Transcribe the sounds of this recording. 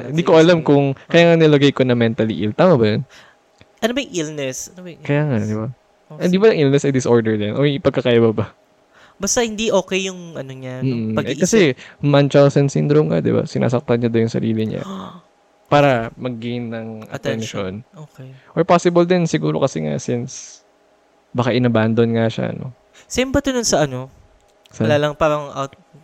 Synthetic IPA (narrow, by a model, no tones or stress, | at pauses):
hɪnd̪ikoʔɐlamkʊŋkɐjaːŋɐnɪlɐɡɐjkonɐmɛnt̪ɐlḭʔilt̪aːmɐbɐjon | ʔɐnobɐjŋʔilnɛsɐnkɐjaːŋad̪ɪba | ʔɪnd̪iːbɐnɐŋʔilnɛsɐjd̪ɪsʔo̞ɹd̪ɛɹd̪ɛnʔojpɐɡ̚kːɐkaːjɐbɐbɐ | bɐst̪ɐhɪnd̪iʔoːkɛjːʊŋɐnoɲam̩ːɐɛkɐsɛmant͡ʃawsɐnsɪnd̪ɾomkad̪ɪba̰sɪnʔa̰ːsɐk̚t̪ɐnɲɐd̪onjʊŋsɐ̰ɾiːlɪɲa̰ | paːɾɐmɐɡ̚ːejnːɐŋʔɐt̪ɛnʃonokɛʔoɹpasɪbɐld̪ɛnsɪɡuːɾo̞̰kɐsɛŋa̰sɪns | bɐkaʔɪnɐband̪onŋaʃa̰no̰ | sɛmbɐt̪onʊnsɐʔɐno | sɐlalɐŋpaːɾɐŋʔat̪̚